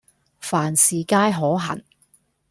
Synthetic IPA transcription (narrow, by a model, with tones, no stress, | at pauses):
faː˨˩nsiː˨kaː˥jɦɔː˨˥ɦɐ̰˨˩n